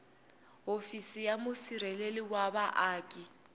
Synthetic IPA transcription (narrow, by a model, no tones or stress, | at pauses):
ɦofisijamʊsiɾɛleliwaβaʔaːkʼi